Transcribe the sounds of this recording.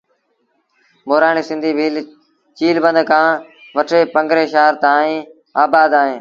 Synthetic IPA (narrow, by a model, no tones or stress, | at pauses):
moːɾaːɳiːsɪ̃nd̪ʱiːbʱiːl | t͡ʃiːlbənd̪kʰãː | ʋəʈʰeːpəŋɡɾeːʃaːɾt̪ãːĩː | aːbaːd̪aːɦẽː